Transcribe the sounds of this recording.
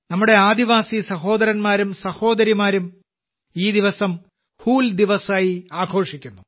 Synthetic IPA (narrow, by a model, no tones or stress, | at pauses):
nɐmːuɽe̞aːd̪iʋaːsisɐɦo̞ːd̪ɐɾɐnmaːɾumsɐho̞ːd̪ɐɾimaːɾum | iːd̪iʋɐsɐm | huːld̪iʋɐsaːjiaːɡʰʱo̞ːʂikʲːunːu